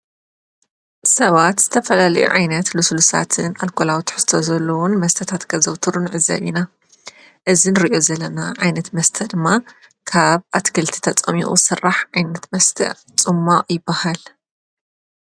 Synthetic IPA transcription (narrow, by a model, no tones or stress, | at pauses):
sɐβat̪z̥ɨt̪ʰɐfɐlalɐ̰jṵʕajnɐt̪luslusa̰t̪ʰɨnalkʰolawt̪ʰħɨst̪ʰozɐlːɐwunmɐst̪ʰɐt̪ʰat̪kʰɐzɐwt̪ʰɨɾunʕɨzːɐ̰βina | ʔɨzinɨɾiʔo̞zɐlːɐnaʕajnɐt̪mɐst̪ʰɐd̪ɨmːa | kʰaβʔat̪kʰɨlt̪ʰi̥t̪ʰɐt͡sʼɐ̰mḭχʼṵsɨrːaħʕajnɐt̪mɐst̪ʰɐ̰ | t͡sʼɨmːaʔʼjɪbːahal